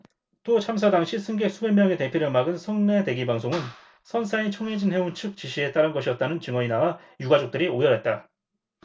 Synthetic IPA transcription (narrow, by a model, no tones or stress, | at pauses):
t͈ot͡ɕʰams̬ʰadaŋɕʰisʰɯŋɡek̚s͈ʰube̞mjʌŋe̞te̞pʰjiɾjʌmaɡɯnsʰʌŋne̞de̞ɡibaŋsʰoŋɯn | sʰʌnsʰait͡ɕʰʌŋe̞d͡ʑinɦe̞unt͡ɕʰɯk̚t͡ɕiɕʰie̞t͈aɾɯnɡʌɕʰiʌt̚t͈anɯnt͡ɕɯŋʌinawa | juɡad͡ʑok̚t͈ɯɾiojʌɾat̚t͈a